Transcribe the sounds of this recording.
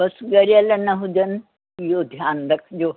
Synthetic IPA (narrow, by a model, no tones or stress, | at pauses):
bɐsɡɐɾɐlɐnɐɦud͡ʒɐn | ijod̪ʱjaːnd̪ɐkʰd͡ʒoː